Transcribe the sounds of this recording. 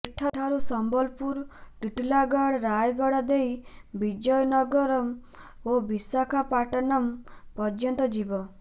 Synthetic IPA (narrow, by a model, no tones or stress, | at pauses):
iʈʰːaʈʰaɾusɔmbɔlpuɾt̪iʈlaɡaɽɾajɡɔɽad̪ejbid͡ʒɔjnɔɡɔɾɔm | obisakʰapaʈɔnɔmpɔd͡ʒjɔnt̪ɔd͡ʒibɔ